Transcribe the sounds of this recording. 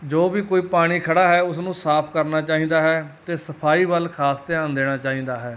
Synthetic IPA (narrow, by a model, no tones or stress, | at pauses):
d͡ʒoːʋiːkoːiːpaːɽ̃iːkʰəɽaːɦɛːʊs̬nũːsaːpʰkəɾnaːt͡ʃaːɦĩːd̪aːɦɛːt̪eːsəpʰaːiːʋəlkʰaːst̪eãːnd̪eːɽ̃aːt͡ʃaːɦĩːnd̪aːɦɛː